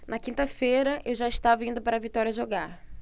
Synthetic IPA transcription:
nɐkĩnt̪ɐfeɾɐʔewʒaist̪avɐĩnd̪ʊpaɾɐvit̪ɔɾiɐʒoɡaɾ

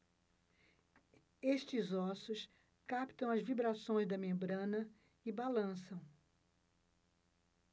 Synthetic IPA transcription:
eʃt͡ʃɪzɔsʊs | kapt̪ɐ̃w̃ɐzvibɾasõj̃zd̪ɐmẽmbɾɐ̃nɐ | ɪbalɐ̃sɐ̃w̃

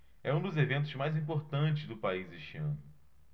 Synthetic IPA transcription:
ɛũd̪ʊzevẽnt̪ʊzmajzĩpoɾt̪ɐ̃nt͡ʃɪzd̪ʊpaizɪʃiɐ̰̃nʊ

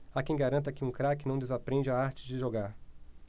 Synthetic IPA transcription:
akẽj̃ɡaɾɐ̃nt̪̬ɐkɪũkɾakɪnɐ̃w̃d̪ezapɾẽd͡ʒɪaaɾt͡ʃɪd͡ʒɪʒoɡaɾ

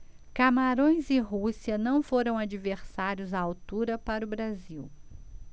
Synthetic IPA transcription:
kamaɾõj̃zɪɦusiɐnɐ̃w̃foɾɐ̃w̃ad͡ʒiveɾsaɾjʊzaawt̪uɾɐpaɾʊbɾaziw

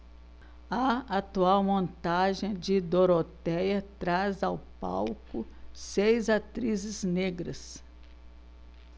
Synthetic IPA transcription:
ɐat̪uawmõnt̪aʒẽj̃d͡ʒɪd̪oɾot̪ɛjɐt̪ɾazawpa̰wkʊsejzat̪ɾizɪzneɡɾɐs

